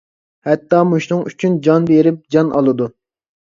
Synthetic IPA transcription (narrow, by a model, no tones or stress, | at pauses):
hɛt̪ːɑmuʃnɨŋyt͡ʃʰynd͡ʒɑnbeɾɪp̚d͡ʒɑnʔɑ̰lˠɨd̪u